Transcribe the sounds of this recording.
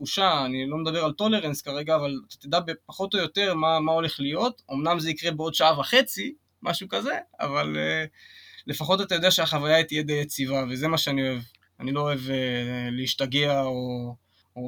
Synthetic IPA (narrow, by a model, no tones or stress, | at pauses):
uʃaːnilo̞med̪abe̞ʁalt̪o̞le̞ʁenskaʁe̞ɡaːvalat̪ḁt̪id̪abepaχo̞t̪o̞jo̞t̪e̞ʁmamao̞le̞χlijo̞t̪o̞mnamze̞ikʁe̞beo̞d̪ʃaavaχe̞t͡si | mʔa̰ʃukaze̞a̰valeː | e̞faχo̞tat̪ajod̪eaʃeaχavajait̪ijed̪ejet͡sivaveze̞maʃeanio̞e̞v | anilo̞oe̞veleiʃtaɡeao